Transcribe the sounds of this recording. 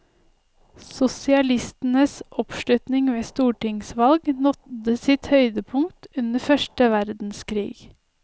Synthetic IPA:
sʊsɪɑlɪst̪n̩əsʔɔpʃlʉt̪nɪŋʋeːst̪uːʈɪŋsʋɑlɡnɔt̪əsɪt̪hœʏd̪əpʰʊŋt̪ʉnəfœʃʈəʋæɾd̪n̩skʰɾḭːɡ

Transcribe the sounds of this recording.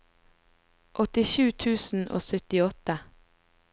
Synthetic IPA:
ʔɔt̪ɪʃʉːt̪ʰʉːsn̩ʔo̰ːsœt̪ɪɔt̪ə

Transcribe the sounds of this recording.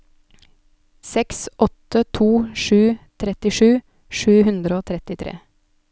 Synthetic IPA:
sɛksʔɔt̪ət̪ʰuːʃʉːt̪ʰɾɛt̪ɪʃʉː | ʃʉːhʉnd̪ɾəoːt̪ʰɾɛt̪ɪt̪ʰɾḛː

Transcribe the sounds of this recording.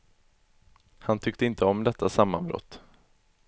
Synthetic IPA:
hant̪ʰʏk̚t̪əɪnt̪əɔmd̪ɛt̪ːasamːanbɾɔ̰t̪ː

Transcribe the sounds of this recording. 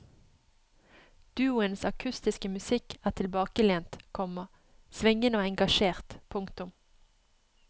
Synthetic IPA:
d̪̥ʉːʊənsɑkʰʉst̪ɪskəmʉsɪkʰæːʁt̪ʰɪlbɑːkəleːnt̪kʰɔmə | sʋɪŋənoːɛŋɡɑʃeːʁt̪pʰʊŋkt̪ʊm

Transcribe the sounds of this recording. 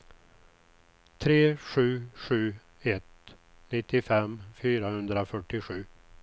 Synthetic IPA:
t̪ʰɾeːɧʉ̟ːɧʉ̟ː | ɛt̪ | nɪt̪ːɪfɛmfyːɾahɵnd̪ɾafœʈːɪɧʉ̟ː

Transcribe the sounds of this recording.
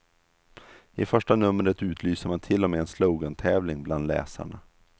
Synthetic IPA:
ɪfœʂʈanɵmːəɾət̪ʉ̟ːt̪ʰlyːsəɾmant̪ʰɪlːɔmeːɛnslowɡɔnt̪ʰɛːvlɪŋbland̪lɛ̰ːsa̰ɳa

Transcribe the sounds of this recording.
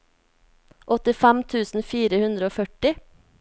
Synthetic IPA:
ʔɔt̪ɪfæmt̪ʰʉːsn̩fiːɾəhʉnd̪ɾəoːfœʈɪ

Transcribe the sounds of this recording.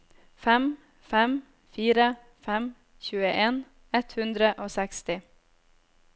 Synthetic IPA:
fɛm | fɛm | fiːɾə | fɛm | çʉːəʔeːn | ɛt̪hʉnd̪ɾəʔoːsɛkst̪ɪ

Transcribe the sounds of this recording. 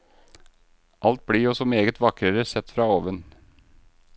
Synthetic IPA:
ʔɑlt̪̚bɽiːɔsɔmeːɡət̪ʋɑkɾəɾəsɛt̪fɾɑːoːʋən

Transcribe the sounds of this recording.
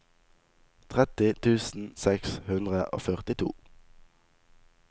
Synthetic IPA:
t̪ʰʁɛt̪ɪt̪ʰʉːsn̩sɛkshʉnd̪ʁəʔo̰ːfœʁt̪ɪt̪ʰṵː

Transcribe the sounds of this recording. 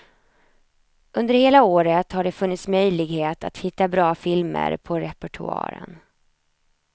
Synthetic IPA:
ʔɵnd̪əɾheːlaoːɾət̪haɖɛfɵnːɪt̪smœjlɪɡheːt̪a̰t̪hɪt̪ːabɾɑːfɪlmə̰ɾpʰɔɾɛpɛʈʰɵ̰ɑ̰ːɾə̰n

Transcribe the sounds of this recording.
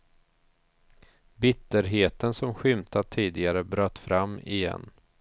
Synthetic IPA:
bɪt̪ːəɾɦeːt̪ənsɔmɧʏmt̪ʰat̪ʰːiːd̪ɪɡaɾəbɾœːt̪ːfɾamːɪ̰jɛ̰nː

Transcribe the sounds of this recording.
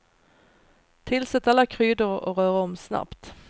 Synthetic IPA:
t̪ʰɪlsɛt̪ːalːakʰɾyːd̪əɾɔ̰ɾœːɾaɔmsna̰pt̪

